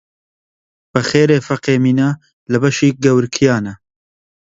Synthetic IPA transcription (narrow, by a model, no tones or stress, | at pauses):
b̥ɐxeːɾeːfɐqeːmiːnaː | lɨbɐʃiːɡɐwɾkʰijɑːnɐ